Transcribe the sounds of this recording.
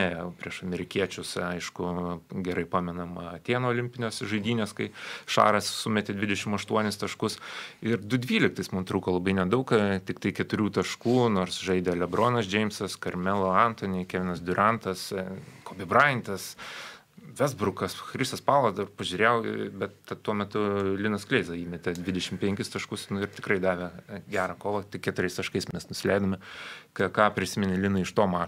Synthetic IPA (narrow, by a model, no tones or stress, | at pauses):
nɛpʲɾʲiɛʃɐmʲɛɾʲɪkʲiɛt͡ʃʲʊsɐɪʃkʊɡʲɛɾɐɪpɑːmʲɛnɐmɐt̪ʲeːnoːlʲɪmʲpʲɪnʲoːsʒɐɪd̪ʲiːnʲeːskɐɪʃɑ̰ːɾɐssʊmʲɛt̪ʲed̪ʲʋʲɪd̪ʲɛʃʲɪmɐʃt̪uɔnʲɪst̪ɐʃkʊsɪɾd̪ʊd̪ʲʋʲiːlʲɪkt̪ɐɪsmʊmt̪ɾuːkoːlˠɐbɐɪnʲɛd̪ɐʊkt̪ʲɪkt̪ɐɪkʲɛt̪ʊɾʲuːt̪ɐʃkuːnoːrsʒɐɪd̪ʲɛlʲɛbɾoːnɐsd͡ʒʲɛɪmsɐskɐɾʲmʲɛlˠoɐnt̪oːnʲekʲɛːʋʲɪnɐsd̪ʲʊɾɐnt̪ɐskoːbʲɪbrɐɪnt̪ɐs | ʋʲɛzbɾʊkɐsxɾʲɪst̪ɐspɑːlˠɐzd̪ɐrpɐʒʲuːɾʲeːjbʲɛt̪t̪ɐt̪ːuɔmʲɛt̪ʊlʲɪnɐsklʲɛɪzɐiːmʲɛt̪ʲɛd̪ʲʋʲɪd̪ʲɛʃʲɪmpʲɛŋʲkʲɪst̪ɐʃkʊsnʊɪrt̪ʲɪkɾɐɪd̪ɑːʋʲɛɡʲæːɾɑːkoːʋˠɐt̪ʲɪkʲɛt̪ʊɾʲɛɪst̪ɐʃkɐɪsmʲɛsnʊsʲɪlʲɛɪd̪ɐmʲɪkɐkɑːpʲɾʲɪsʲɪmʲɛnʲɪlʲɪnɐɪʃt̪oːmɑː